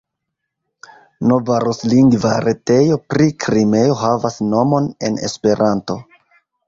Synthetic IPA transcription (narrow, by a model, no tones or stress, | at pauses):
no̞vaɾosliŋɡvaɾe̞te̞jo̞pɾikɾime̞jo̞ɦavasno̞mo̞ne̞̰nḛspe̞ɾanto̞